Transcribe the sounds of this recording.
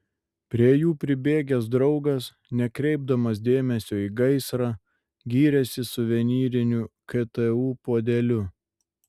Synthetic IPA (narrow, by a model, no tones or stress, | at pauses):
pʲɾʲiɛjuːpʲɾʲɪbʲeːɡʲɛsd̪ɾɒʊɡɐs | nʲɛkɾʲɛɪb̚d̪ɐmɐs̬d̪ʲeːmʲɛsʲoːiːɡɐɪsɾɑː | ɡʲiːɾʲɛsʲɪsʊʋʲɛnʲiːɾʲɪnʲʊkɛt̪ɛuːpoːd̪ʲɛlʲʊ